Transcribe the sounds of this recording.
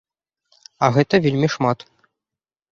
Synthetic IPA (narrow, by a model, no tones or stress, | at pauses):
ɐɣɛt̪ɐvʲelʲmʲiʂmat̪